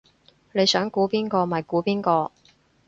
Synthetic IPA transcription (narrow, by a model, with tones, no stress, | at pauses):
ne˨˧jsœː˨˥ŋkuː˨˥piː˥nkɔː˧maː˨˩jkuː˨˥piː˥nkɔː˧